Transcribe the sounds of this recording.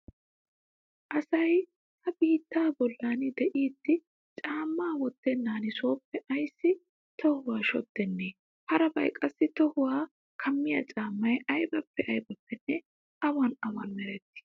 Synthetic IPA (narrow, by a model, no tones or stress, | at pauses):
ʔɐsɐj | hɐbiːt̪ːaːbɔlːaːnɪd̪ɛʔiːt̪ːɪ | t͡ʃʼaːmːaːwɔt̪ːɛnːaːnɪso̞ːpːɛʔɐjsːɪ | t̪ɔhʊwaːʃɔt̪ːɛnːeː | hɐɾɐbɐ̰jkʼɐsːɪt̪ɔhʊwaː | kʰɐmːɪjɐ̰t͡ʃʼaːmːɐjɐjbɐpːɛʔɐjbɐpːɛnːɛ | ʔɐwɐnɐwɐnmɛɾɛt̪ːɪ̥